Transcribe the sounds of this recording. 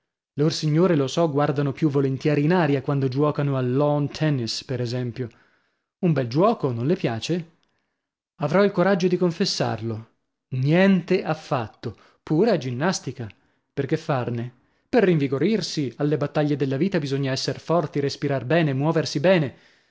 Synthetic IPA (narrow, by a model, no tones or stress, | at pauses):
lorsiɲːoːɾelosɔɡward̪anopjuvːolent̪jɛːɾiːnaːɾjakwand̪od͡ʒwɔːkanoalːɔnt̪ʰɛnispeɾezɛmpjo | umbɛld͡ʒwɔːkonõnlepjaːt͡ʃe | avɾɔilkoɾad͡ʒːod̪ikoɱfesːa̰rlo | njɛnt̪eafːat̪ːo | puːɾead͡ʒinːast̪ika | perkefːarne | perːiɱviɡoɾirsialːebat̪ːaʎːed̪elːaviːt̪abizoɲːaɛsːerfɔrt̪iɾespiɾarbɛːnemwɔːversibɛːne